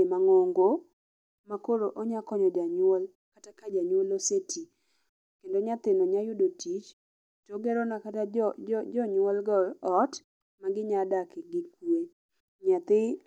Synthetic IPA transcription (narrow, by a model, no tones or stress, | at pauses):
emaŋoŋɡo | makoɾoʔɔɲakɔɲɔd͡ʒaɲwol | katakad͡ʒaɲwolosetʰi | kendoɲat̪ɪnɔɲajʊdotʰit͡ʃ | toɡɛɾɔnakatad͡ʒɔɲwɔlɡɔɔt | maɡɪɲadakeɡɪkue | ɲat̪ɪ